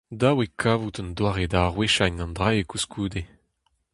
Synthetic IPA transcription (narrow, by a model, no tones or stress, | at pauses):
d̪awekʰavut̪ɔnd̪waːʁedaʁweʃaɲɑ̃nd̪ʁaekuskʰuːd̪e